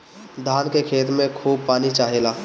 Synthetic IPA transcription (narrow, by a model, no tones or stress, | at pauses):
d̪ʱaːnkekʰeːt̪mẽkʰuːb̚paːnit͡ʃaːɦeːlaː